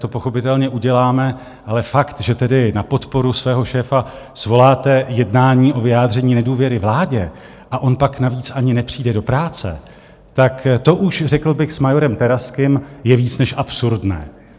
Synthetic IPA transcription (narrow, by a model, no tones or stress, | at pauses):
t̪o̞po̞xo̞pɪt̪ɛlɲɛʔuɟɛlaːmɛ | ʔalɛfakt̪ʒɛt̪ɛdɪnapo̞t̪po̞ɾusvɛːɦo̞ʃɛːfa | svo̞laːt̪ɛjɛdnaːɲiːʔo̞vɪjaːd̪r̝ɛɲiːnɛduːvjɛɾɪvlaːɟɛ | ʔaʔo̞npaknaviːt͡sʔaɲɪnɛpr̝̥iːdɛdo̞pɾaːt͡sɛ̰ | t̪akt̪o̞ʔuʃrɛkl̩bɪxsmajo̞ɾɛmt̪ɛɾaskɪmjɛviːt͡snɛʃʔapsuɾdnɛ̰ː